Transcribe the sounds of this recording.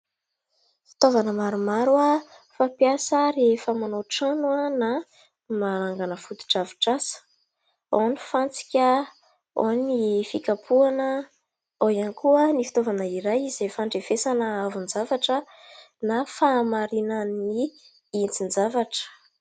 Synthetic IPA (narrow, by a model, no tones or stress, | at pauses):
fi̥t̪ovanəmaɾumaɾuafapiasəɾefəmanoʈ͡ʂanuəna | maɾaŋɡanəfut̪u̥ʈ͡ʂaviʈ͡ʂasə̥ | onifant͡si̥kʲə | o̰nifikapʰuanə | ojanikuənifi̥t̪ovanəiɾajizefaɳɖ͡ʐefesanəavund͡zavaʈ͡ʂə | nafamaɾinəni | int͡sind͡zavaʈ͡ʂə̥